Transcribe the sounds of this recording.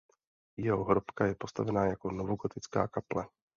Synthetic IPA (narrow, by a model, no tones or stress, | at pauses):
jɛɦoɦɾopkajɛpost̪avɛnaːjakonovoɡot̪ɪt͡ska̰ːkaplɛ